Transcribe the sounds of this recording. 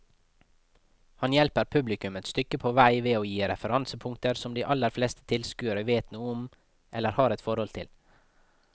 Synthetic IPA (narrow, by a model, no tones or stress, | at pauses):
hɑnjɛlpəɾpʰʉblɪkʉmət̪st̪ʏkəpʰoʋæɪʋeːoːjiːɾɛfəɾɑnsəpʰʊŋkt̪əɾsɔmd̪iːʔɑlːəɾfleːst̪ə̥t̪ʰɪlskʉːəɾəʋeːt̪nuːʊm | ʔɛlːəɾhɑːɾɛt̪fɔɾhɔlt̪ʰɪl